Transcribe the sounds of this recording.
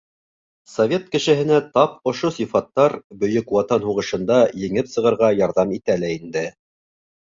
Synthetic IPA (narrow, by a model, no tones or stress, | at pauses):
sɐvʲe̞t̪̚kɘ̆ʃɘ̆ɦɘ̆næt̪ɑp̚ŏʃosifɑt̪ːɑɾbɵ̆jɵkwɑt̪ɑnhuʁɤ̆ʃɤ̆nd̪ɑjɘ̆ŋɘpsɤ̆ʁɤ̆ɾʁɑjɑɾðɑmit̪ælæind̪ɘ